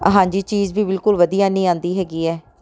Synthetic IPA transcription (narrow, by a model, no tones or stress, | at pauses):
ə̰ɦãːd͡ʒiːt͡ʃiːzbiːbɪlkʊlʋəd̪ijaːnĩːãːnd̪iːɦɛːɡiːɛː